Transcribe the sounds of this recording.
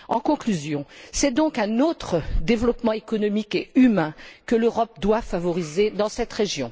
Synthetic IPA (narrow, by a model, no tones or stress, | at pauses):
ɑ̃kɔ̃klyzjɔ̃sɛd̪ɔ̃kɛ̃not̪χəd̪evlɔpmɑ̃ekɔnɔmikeymɛ̃kəløʁɔp̚d̪wafavɔʁized̪ɑ̃sɛt̪ʁeʒjɔ̃